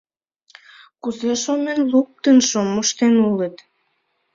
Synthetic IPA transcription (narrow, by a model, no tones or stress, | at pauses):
kuzeʃomenluk̚t̪ənʃomoʃt̪enulət̪